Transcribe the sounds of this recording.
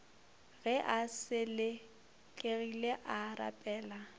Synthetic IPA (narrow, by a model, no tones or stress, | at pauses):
ɣɛʔasɪlɪ | kʼeɣileʔara̰pʼɛːla